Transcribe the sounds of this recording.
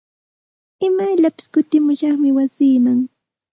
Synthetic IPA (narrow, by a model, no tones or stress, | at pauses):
ɪmajʎapɪ̥skʊt̪ɪmʊʃɑχmɪwasiːmaŋ